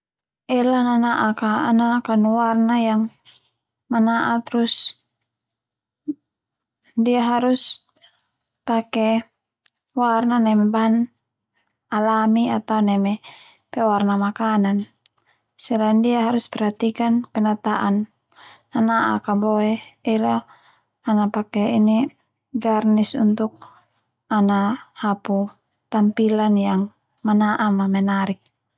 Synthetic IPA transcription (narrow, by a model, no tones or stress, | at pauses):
ɛlananaʔakaːnakanuwarnajaŋ | manaʔat̪ɾus | diaɦaɾus | pakɛ | warnanɛmɛban | alamiat̪aunɛmɛ | pɛwarnamakanan | sɛlaindiaɦaɾuspɛɾhat̪ikanpɛnat̪aʔanː | anaʔa̰kabɔɛila | anapakɛini | ɡarnisunt̪uk̚ | anahapu | t̪ampilanjaŋ | manaʔamamɛnaɾik̚